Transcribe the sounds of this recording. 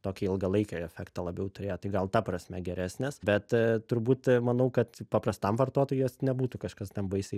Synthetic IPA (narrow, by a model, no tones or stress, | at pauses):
t̪oːkʲiɪlˠɡɐlˠɐɪkʲoːɛfʲɛkt̪ɐlˠɐbʲɛʊt̪ʊɾʲeːjoːt̪ɐɪɡɐlˠt̪ɐprɐsʲmʲɛɡʲɛɾʲʔæːsʲnʲeːsbʲɛt̪t̪ʊɾbuːt̪mɐnɐʊkɐt̪pɐpɾɐst̪ɐmʋɐrt̪oɔt̪oːjoːsnʲɛbuːt̪ukɐʃkɐst̪ʲɛnbɐɪsʲeɪ